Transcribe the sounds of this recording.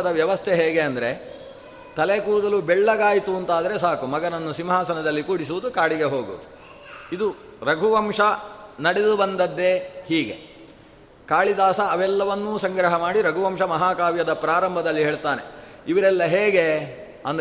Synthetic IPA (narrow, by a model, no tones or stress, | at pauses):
ɐd̪ɐʋjɐʋɐst̪ʰeɦeːɡe̞ɐnd̪ɐɾe̞ | t̪ɐlekuːɾd̪ɐlubɛɭːɐɡaːjt̪uɐnt̪aːd̪ɐɾe̞saːkumɐɡɐnɐnːusimɦaːsɐnɐd̪ɐlːikuːɽis̬uʋud̪ukaːɭiɡe̞ɦoːɡṵʋud̪u | id̪uɾɐɡʱuʋɐmʂɐnɐɽed̪ubɐnd̪ɐd̪ːe̞hiːɡe̞ | kaːɭid̪aːsɐːʋɛlːɐʋɐnːuːsɐŋɡɾɐɦɐmaːɽiɾɐɡʱuʋɐmʂɐmɐɦaːkaːʋjɐd̪ɐpɾaːɾɐmbʱɐd̪ɐlːiɦeːɭt̪aːne̞̰ | iʋɐɾɛlːɐɦeːɡe̞ | ɐnd̪